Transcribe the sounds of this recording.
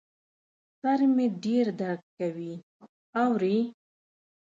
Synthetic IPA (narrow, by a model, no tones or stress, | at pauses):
saɾmeɖeɾd̪aɾɡkawi | awɾi